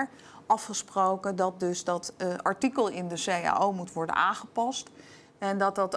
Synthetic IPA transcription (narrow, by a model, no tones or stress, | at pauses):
ɹ | ʔɑfχəsprowkəndɑt̚dɵzdɑtɑɹtikəlˠɪndəseja̰ʔowmutʋɔɹdə̰naːχəpɑst | ɛndɑt̚dɑt